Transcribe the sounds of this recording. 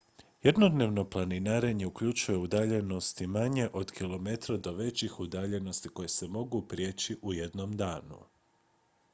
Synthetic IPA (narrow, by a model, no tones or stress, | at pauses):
jed̪no̞d̪ne̞ːʋno̞plˠaninaɾeɲe̞ukʎut͡ʃuje̞ud̪aʎe̞no̞st̪imaɲe̞ʔo̞d̪kilo̞me̞t̪ɾod̪o̞ʋe̞t͡ɕixud̪aːʎe̞no̞st̪iko̞jese̞mo̞ɡupɾije̞t͡ɕiʔuje̞d̪no̞md̪aːnṵ